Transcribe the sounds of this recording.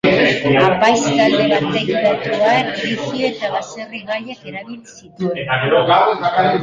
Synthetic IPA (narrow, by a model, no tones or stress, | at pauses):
apajst̪ald̪e̞βat̪̚ːejit̪at̪uaekɾisioe̞t̪aβaseriɣaʎeke̞ɾaβilsit̪ueeo